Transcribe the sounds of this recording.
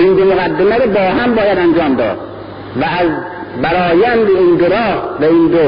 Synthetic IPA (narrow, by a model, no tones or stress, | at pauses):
ʔind̪omoɣæd̪ːemæɾobɒːɦæmbɒːjæd̪ænd͡ʒɒːmd̪ɒ̰ːd̪̥̚ | vææz | bæɾɒːjænd̪eiːnd̪oɾɒːvæind̪o